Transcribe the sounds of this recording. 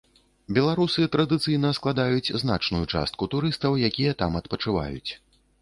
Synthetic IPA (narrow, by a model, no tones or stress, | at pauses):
bʲɛlˠaɾusɨt̪ɾɐd̪ɨt̪sɨjnɐsklˠad̪ajut͡sʲzn̪at͡ʂnujut͡ʂa̰st̪̚kut̪uɾɨst̪ɐwjakʲijɐt̪amɐt̪pɐt͡ʂɨva̰jṵt͡sʲ